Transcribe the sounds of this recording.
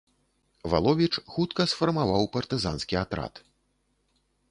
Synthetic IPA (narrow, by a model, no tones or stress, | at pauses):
va̰lˠɔvʲit͡ʂxut̪kɐsfɐrmavawpɐrt̪ɨzanskʲiat̪ɾa̰t̪